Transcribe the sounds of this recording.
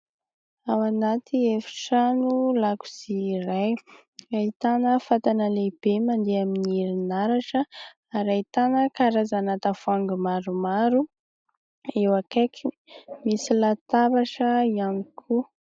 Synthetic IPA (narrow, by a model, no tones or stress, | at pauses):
awanat̪ʰiefi̥ʈ͡ʂanulaku̥z̥iɾaj | ait̪anəfat̪anəleb̥emand̪eaminiɾinaɾaʈ͡ʂə | aɾait̪anəkaɾazanat̪afaŋɡumaɾumaɾu | ewakakʰi | misilat̪aβaʈ͡ʂəianikʰu